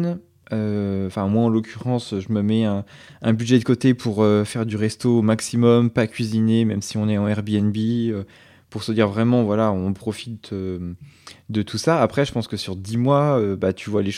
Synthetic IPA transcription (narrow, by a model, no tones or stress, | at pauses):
n | ø̃fɛ̃mwaɑ̃lɔkʲʰyʁɑ̃søʒəməmɛɛ̃ɛ̃bydʒɛd̪əkot̪epʰuʁøfɛʁd̪yʁɛst̪omaksimɔmpakʲɥizinemɛmsiɔ̃nɛɑ̃ɛʁbiɛnbiø | puʁsəd̪iʁvʁɛmɑ̃vwalaɔ̃ɔ̃pχɔfi̥t̪̚ø | d̪ət̪ʰusaːpχɛʒəpɑ̃skəsyʁd̪imwaøbat̪ʰyvwaleʃ